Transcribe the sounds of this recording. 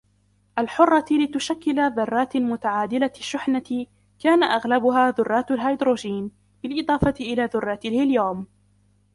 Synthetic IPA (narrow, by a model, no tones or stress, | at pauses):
ʔalħʊrˤːɑlɪt̪ʊʃakːɪlaðɑrˤːɑːt̪mʊt̪aʕaːd̪ɪlaaʃːʊħna | kaːnaʔaɣlabʊɦaːðʊrˤːɑːt̪alɦajd̪ɾoːd͡ʒiːn | bɪlʔɪd̪ˤɑːfɑt̪ɪʔɪlaːðʊrˤːɑːt̪ɪlhɪljawm